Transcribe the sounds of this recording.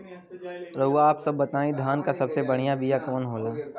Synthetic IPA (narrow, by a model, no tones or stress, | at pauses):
ɾɐɦuaːpsɐbːɐt̪aːĩd̪ʱjaːnkasɐbsebɐɽ̤ijabʱijakɔːnɦoːlaː